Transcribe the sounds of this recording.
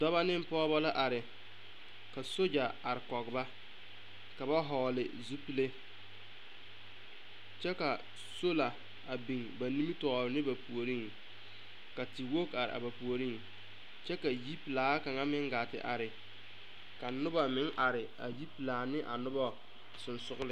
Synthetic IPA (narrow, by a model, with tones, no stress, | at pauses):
dɔ˦βa˦nɪ˦m˦pɔː˦bɔ˦la˦ʔa˨ɾɪ˨ | ka˨so˦d͡ʒa˨a˨ɾɪ˨kɔ˨ɡba˦ | ka˨ba˦ɦɔː˨lɪ˨zu˦pi˦le˦ | t͡ʃɛ˦ka˨ | so˦la˨ | a˨bi˨ŋba˨ni˦mi˦tɔ˨ɾɪ˨nɪ˦ba˨pu˨o˨ɾi˦ŋ | ka˨ti˨wo˦ka˨ɾɪ̰˨ʔa̰˨ba˨pu˨o˨ɾi˦ŋ | t͡ʃɛ˦ka˨ji˦pi˨laː˨˦ka˨ŋa˦mɪ˦ŋɡa˨tɪ̰˨ʔa˨ɾɪ˨ | ka˨nʊ˦ba˨mɪ˨˦ŋʔa˨ɾɪ˨a̰˨ji˦pi˨laː˨nɪ˦ʔa˨nʊ˦ba˦ | sʊ˨nsʊ˦ɣʊ˦lɪ˦